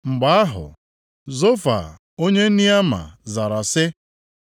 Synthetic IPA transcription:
ŋ͡m̩˨ɡ͡ba˨a˦ɦʊ̰˨ | zo˦fa̰˨ | o˦ɲe˦ni˦a˦ma̰˨za˨ɾa˨sɪ˦

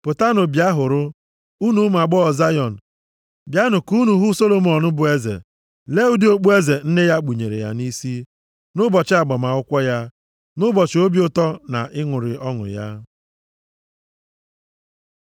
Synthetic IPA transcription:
pʊ˨ta˦nʊ˨bja˦ɦʊ˨ɾʊ˦ | u˦nu˨˦ma˨ɡ͡bɔ˦˨za˦jɔ˨n̩˨ | bja˦nʊ˨ku˦nu˨ɦu˦so˦lo˨mɔ˨nʊ˦bʊ˨e˦zḛ˨ | le˦u˦di˦o˦k͡pu˦e˦ze˨n̩˦ne˦ja˦k͡pu˨ɲe˨ɾḛ˨ja̰˦ni˦si˦ | nʊ˦bɔ˨t͡ʃɪ˦a˨ɡ͡bɔ˨ma˨ʊ˦kʷɔ˦ja˦ | nʊ˦bɔ˨t͡ʃɪ˨o˦bjʊ˦tɔ˦na̰˨ʔɪ˦ŋʷʊ˨ɾɪ˨ʔɔ˦ŋʊ̰˨ja̰˦

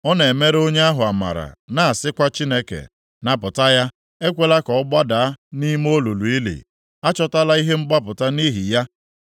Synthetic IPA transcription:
ɔ˦ne˨e˨me˦ɾo˦ɲe˦a˦ɦʊ˨a˨ma̰˨ɾa̰˨na˨a˨sɪ˦kʷa˦t͡ʃi˦ne˦kḛ˨ | na˨pʊ˨ta˦ja˦ | e˦kʷe˦la˦kɔ˨ɔ˦ɡ͡ba˦da˨a˦ni˦m˦o˦lu˨lu˨i˦lḭ˨ | a˦t͡ʃɔ˦ta˦la˦i˦ɦe˦ŋ͡m̩˦ɡ͡ba˦pʊ˨ta˦ni˦ɦi˨ja˦

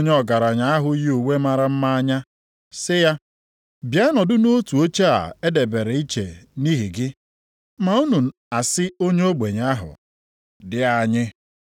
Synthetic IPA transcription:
ɲ˦ɔ˨ɡa˨ɾa˨ɲa˨a˦ɦʊ˨˦ji˦u˨we˦ma˨ɾa˦m̩˦ma˦a˦ɲa˦ | sɪ˦ja˦ | bja˦nɔ˨dʊ˦no˦tu˨o˦t͡ʃe˦a̰˨e˦de˨be˨ɾe˨i˦t͡ʃe˨ni˦ɦi˨ɡɪ˦ | ma˨u˦nu˨n̩˨ | a˨sɪ˦o˦ɲe˦o˦ɡ͡be˨ɲ˨a˦ɦʊ̰˨ | dɪ˦a˨ɲɪ˦

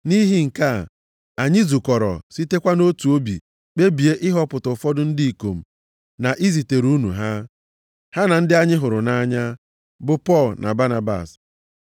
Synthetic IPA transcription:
ni˦ɦi˦ŋ̩˨ka˦˨ | a˨ɲɪ˦zu˨kɔ˨ɾɔ̰˨si˦te˦kʷa˦no˦tu˨o˦bḭ˨ | k͡pe˦bi˨e˦ʔɪ˦ɦɔ˦pʊ˨tʊ˨fɔ˦dʊ˦n̩˦di˦i˨ko˨m̩˨ | na˨ʔi˦zi˨te˨ɾu˦nṵ˨ɦa˦ | ha˦na˨n̩˦dɪ˦a˦ɲɪ˦ɦʊ˨ɾʊ˨na˦ɲa˦ | bʊ˨pɔ˦˨lnʔa̰˨ba˦na˨ba̰˨s

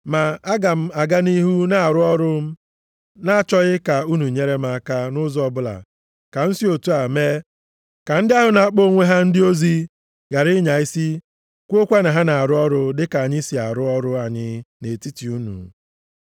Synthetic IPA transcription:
ma˨a˦ɡa˨m̩˦a˨ɡa˦ni˦ɦu˦na˨a˨ɾʊ˦ɔ˦ɾʊ˦m̩˦ | na˦a˦˨t͡ʃɔ˦ɣɪ˦ka˨u˦nu˨ɲe˦ɾe˦m̩˦a˦ka˦nʊ˦zɔ˨bʊ˦la̰˨ | ka˨n̩˦si˦o˨tu˦a˨me˦ | ka˨n̩˦dɪ˦a˦ɦʊ˨na˨a˨k͡po˦ŋʷe˦ɦa˦n̩˦dɪ˦o˦zi˦ | ɡa˨ɾɪ˦ɲa˨i˦si˦ | kʷo˦kʷa˦na˨ɦa˦na˨a˨ɾʊ˦ɔ˦ɾʊ˦dɪ˦ka˨a˨ɲɪ˦si˨a̰˨ɾʊ˦ɔ˦ɾʊ˦a˨ɲɪ˦ne˨ti˦ti˨u˦nṵ˨

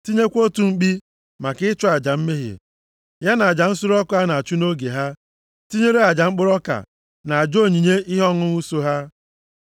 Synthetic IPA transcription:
ti˦ɲe˦kʷo˦tu˨ŋ͡m̩˦k͡pi˦ | ma˨kɪ˦t͡ʃɔ˦a˨d͡ʒa˨m̩˦me˦ɦḛ˨ | ja˦na˨a˨d͡ʒa˨n̩˦sʊ˦ɾɔ˦kʊ˦a˦na˨a˨t͡ʃu˦no˦ɡe˨ɦa˦ | ti˦ɲe˦ɾe˦a˨d͡ʒa˨ŋ͡m̩˦k͡pʊ˦ɾɔ˦ka̰˨ | na˨a˨d͡ʒo˦˨ɲi˨ɲe˦ʔɪ˦ɦɔ˦ŋʊ˦nu˦so˦ɦa˦

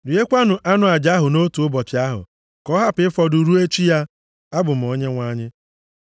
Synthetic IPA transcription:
ɾɪ˨e˦kʷa˦nʊ˨ʔa˦nʊ˨a˨d͡ʒa˦ɦʊ˨no˦tu˨ʊ˦bɔ˨t͡ʃɪ˨a˦ɦʊ̰˨ | kɔ˦ɦa˦pɪ˨˦ɪ˦fɔ˨du˨ɾu˦e˦t͡ʃi˦ja˦ | a˦bʊ˨m̩˨o˦ɲe˦ŋʷa˦ɲɪ˦

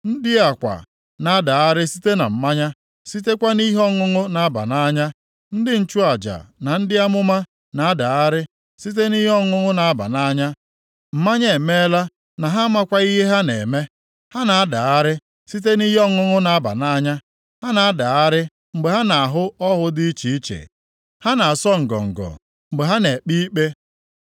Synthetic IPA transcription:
n̩˦dɪ˦a˨kʷa̰˨ | na˨a˦da˨a˦ɾɪ˦si˦te˦na̰˨m̩˨ma˦ɲa˦ | si˦te˦kʷa˦ni˦ɦɔ˦ŋʊ˦ŋʊ˦na˨a˦ba̰˨na˦ɲa˦ | n̩˦dɪ˦n̩˨t͡ʃu˦a˨d͡ʒa̰˨na˨n̩˦dɪ˦a˦mʊ˦ma˦ | na˨a˦da˨a˦ɾɪ˦ | si˦t̬e˦ni˦ɦɔ˦ŋʊ˦ŋʊ˦na˨a˦ba̰˨na˦ɲa˦ | m̩˨ma˦ɲ˨e˨me˦la˦ | na˨ɦa˦ma˦kʷa˦i˦ɦe˦ɦa˦ne˨me˦ | ha˦na˨a˦da˨a˦ɾɪ˦ | si˦t̬e˦ni˦ɦe˦ɔ˦ŋʊ˦ŋʊ˦na˨a˦ba̰˨na˦ɲa˦ | ha˦na˨a˦da˨a˦ɾɪ˦ | ŋ͡m̩˨ɡ͡be˨ɦa˦na˨a˨ɦʊ˦ɔ˦ɦʊ˦dɪ˦i˦t͡ʃi˨i˦t͡ʃḛ˨ | ha˦na˨a˨sɔ˦ŋ̩˨ɡɔ̰˨ŋ̩˨ɡɔ̰˨ | ŋ͡m̩˨ɡ͡be˨ɦa˦ne˨k͡pi˦k͡pe˦

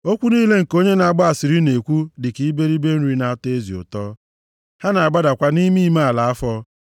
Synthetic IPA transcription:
o˦kʷu˦ni˦le˦ŋ̩˨ko˦ɲe˦na˨ɡ͡ba˦a˨sɪ˨ɾi˦ne˨kʷu˦dɪ˨ki˦be˦ɾi˦be˦n̩˦ɾi˦na˨˦te˦zḭ˨ʊ̰˨tɔ˦ | ha˦na˨a˨ɡ͡ba˦da˨kʷa˦ni˦mi˦ma˦a˨la˨a˦fɔ˦

